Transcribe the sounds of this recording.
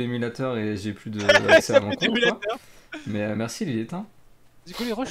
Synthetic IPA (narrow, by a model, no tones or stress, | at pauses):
emylat̪œʁeʒeplyd̪əsɛmɔ̃kɔ̃mylaʁmɛømɛʁsililet̪ɛ̃ | d̪ykuleʁəʃ